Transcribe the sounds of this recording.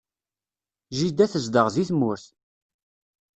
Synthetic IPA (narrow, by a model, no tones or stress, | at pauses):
ʒid̪æθəzd̪əʁziθmʊɾθ